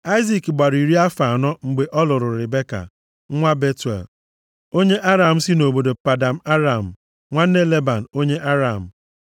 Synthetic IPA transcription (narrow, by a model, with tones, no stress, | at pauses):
a˦ɪ˦zi˨kɡ͡ba˨ɾi˨ɾi˦a˦fa˨nɔ˦ŋ͡m̩˨ɡ͡be˨ʔɔ˦lʊ˨ɾʊ˨ɾɪ˨be˦ka̰˨ | ŋ̩˦ŋʷa˦be˦tḛ˨l | o˦ɲe˦ʔa˦ɾa˨m̩˦si˦no˨bo˨do˨pa˨da˨m̩˦a˦ɾa˨m̩˨ | ŋʷa˦n̩˦ne˦le˦ba˨n̩˨o˦ɲe˦ʔa˦ɾa˨m̩˨